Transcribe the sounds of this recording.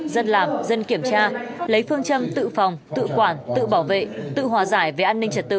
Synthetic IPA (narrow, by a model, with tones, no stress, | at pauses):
zə˧nlaː˨˩m̚zə˧nki˧˩əmt͡ɕaː˧lə˨˦jfɨ˧əŋt͡ɕə˧mt̪ɨ̰˧˨fɔ˨˩wŋ͡mt̪ɨ̰˧˨kwaː˧˩nt̪ɨ̰˧˨ɓaː˧˩wvḛ˧˨t̪ɨ̰˧˨ɦwaː˨˩zaː˧˩jve˨˩ʔaː˧nːï˧ŋ̟t͡ɕə˨˩t̚t̪ɨ̰˧˨